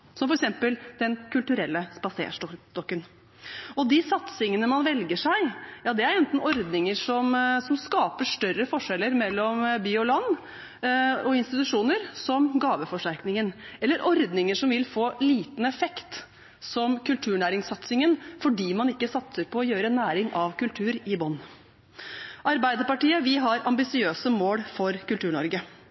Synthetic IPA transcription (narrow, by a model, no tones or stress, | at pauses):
sɔmfɔɾɛksɛmpəld̪̥ɛnkʉlt̪ʉɾɛlːəspɑsḛːʂɔt̪ɔkːən | ɔd̪ɪsɑt̪sɪŋənəmɑnʋɛlɡəʂæɪjɑːd̪ɛæɾɛnt̪n̩ɔɾd̪nɪŋəʂɔmsɔmskɑːpəʂʈœɾəfɔʂɛlːəɾmɛlːɔmbiːɔlɑnː | ɔɪnst̪ɪt̪ʉʂuːnəɾsɔmɡɑːʋəfɔʂʈæɾknɪŋənɛlːəɾʔɔɾd̪nɪŋəʂɔmʋɪlfoːliːt̪n̩ɛfɛkt̪ | sɔmkʉlt̪ʰʉːɳæːɾɪŋsɑt̪sɪŋənfɔɖiːmɑnɪkːəsɑt̪səɾpʰɔːjøːɾəɛnːæːɾɪŋʔɑʋkʉlt̪ʰʉːɾɪbɔnː | ʔɑɾbæɪd̪əɾpɑʈiːəʋɪɦɑɾɑmbɪsɪøːsəmoːlfɔɾkʉlt̪ʉːɳɔɾɡə